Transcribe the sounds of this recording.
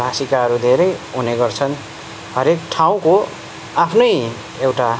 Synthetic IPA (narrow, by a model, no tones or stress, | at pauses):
bʱasikaɦʌɾud̪ʱeɾʌjɦuneɡʌrt͡sʰʌn | hʌɾekʈʰaw̃ko | apʰnʌj | ewʈa